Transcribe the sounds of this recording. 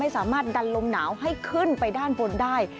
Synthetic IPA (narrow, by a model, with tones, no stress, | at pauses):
a˥˩jsaː˩˦maː˥˩t̪̚da˧nlo˧mnaː˩˦wɦa˥˩jkʰɯ˥˩npa˧jdaː˥˩nbo˧ndaː˥˩j